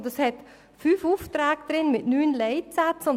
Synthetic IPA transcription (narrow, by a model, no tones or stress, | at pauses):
dəshɛt | fyːfuːftɾɛːɡ̚d̪̥ɾɪnmɪtnyːnleɪtsat͡sʊn